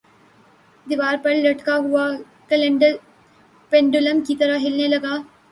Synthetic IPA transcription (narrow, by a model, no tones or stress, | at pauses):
d̪ɪʋaːɾpɐɭlɐʈkaɦʊaː | kəlɖ | pẽɳɖʊləmkiːt̪ɐɾəɦɪlnelɐɡaː